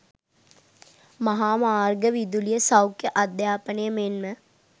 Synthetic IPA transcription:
mɐɦaːmaːɾɡəʋid̪ulijəsɐwkːeʔɐd̪jaːpənejəmeːnmẽ

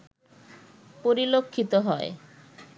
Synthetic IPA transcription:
poɾilokʰːit̪oɦɔe

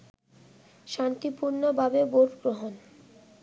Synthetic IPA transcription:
ʃant̪ipuɾnobʱabeboɾɡɾoɦon

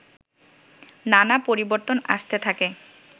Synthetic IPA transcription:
nanapoɾiboɾt̪ona̰ʃt̪et̪ʰake

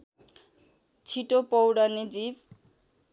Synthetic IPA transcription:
t͡sʰiʈopɔwɽʌnid͡zib

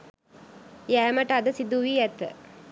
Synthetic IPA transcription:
jæːmɐʈad̪əsid̪uʋiːɛt̪ə̰

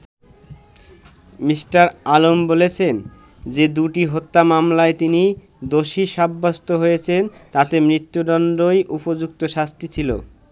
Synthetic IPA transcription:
misʈaɾalombolet͡ɕʰen | d͡ʑed̪uʈiɦot̪ːamamlaet̪ini | d̪oʃiʃabːast̪oɦojet͡ɕʰent̪at̪emɾit̪ːud̪ɔnɖɾojʔupod͡ʑukt̪oʃast̪it͡ɕʰilo̰

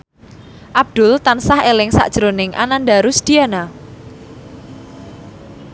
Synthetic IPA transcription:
ʔab̚d̪̥ʊlt̪ansahelɪŋsa̰ʔd̥ʒ̥ɾonɪŋʔa̰nandaɾusd̪̥iana

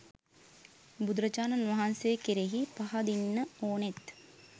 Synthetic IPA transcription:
bud̪uɾət͡ʃaːnɐnʋɐɦansejekeɾeɦipaɦad̪inːəoːnet̪

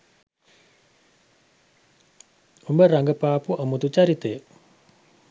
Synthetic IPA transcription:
umbəɾaŋɡəpaːpuʔəmut̪ut͡ʃaɾit̪e

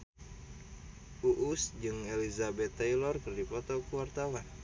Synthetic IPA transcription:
ʔuʔusd͡ʒɨŋelizabɛt̪ːajlɔrkɨrdipɔt̪ɔkuwart̪awan

